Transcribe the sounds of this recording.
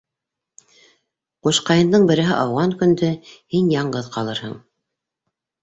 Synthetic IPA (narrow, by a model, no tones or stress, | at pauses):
quʃqɑjɤ̆nd̪ɤɴbɘ̆ɾɘ̆ɦɘʔɑwʁɑŋkɵ̆nd̪ɵhinjɑɴɢɤðqɑlˠɤɾhɤ̰ɴ